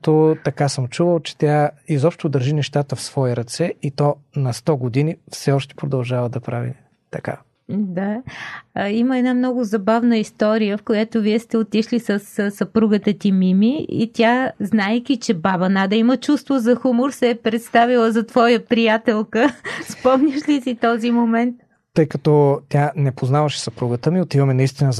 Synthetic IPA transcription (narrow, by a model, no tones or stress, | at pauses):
t̪ot̪ɐkasəmt͡ʃuvəlˠt͡ʃɛ̥t̪ʲjaizɔpʃt̪od̪əɾʒinɛʃt̪at̪əfsvɔiɾɐt̪sɛit̪ɔ | nɐst̪ɔɡod̪inifsɛɔʃt̪ɛ̥pɾod̪ɐlˠʒavəd̪ɐpɾavḭ | t̪ɐka̰ | d̪a | iməɛd̪namnɔɡʊzɐbavnəist̪ɔɾijəfkojat̪oviɛst̪ɛot̪iʃlisəssɐpɾuɡət̪ət̪imimiḭt̪ʲjaznajkʲit͡ʃɛbaβɐnad̪ɐimət͡ʃust̪vozɐxumʊɾsɛːpɾɛt̪st̪avilˠəzɐt̪vɔjəpɾijat̪ɛlˠkəspɔmɲʲəʃlisit̪ɔzimomɛnt̪̚ | t̪ɤjkɐt̪ɔt̪ʲjanɛpoznavɐʃɛ̥sɐpɾuɡət̪əmiot̪ivəmɛnɐist̪inəz